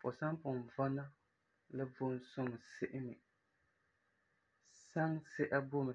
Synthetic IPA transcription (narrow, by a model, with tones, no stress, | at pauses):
pʊ˨sa˦ŋpʊ˨n˨va˦na˦ | lɨ˦vʊ˦n˦sʊ˦m˨sɪ˦ʔɪ˦nɪ˨ | sa˦ŋsɛ˦ʔa˦bʊ˦m˨